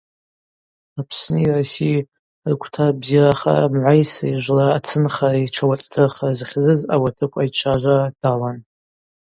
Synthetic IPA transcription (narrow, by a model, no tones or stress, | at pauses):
apʰsnɨirasi | rkʷʰtʰabziraχa̰mʕʷajsaiʒʷlaːt͡sʰɨnχaraiʈ͡ʂʰawat͡sʼtʰɨrχarzχʲzɨzawatʰɨkʷʼajt͡ʃʷʰaʒʷad̥alan